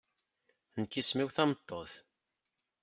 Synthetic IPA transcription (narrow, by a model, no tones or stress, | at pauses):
nkːismiwθɑmt̪ˤːoθ